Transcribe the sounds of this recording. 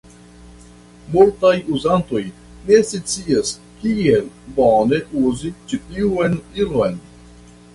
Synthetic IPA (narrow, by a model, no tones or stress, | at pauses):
multajuzanto̞j | ne̞sit͡sias | kiel | bone̞ʔuzit͡ʃitiuenilojn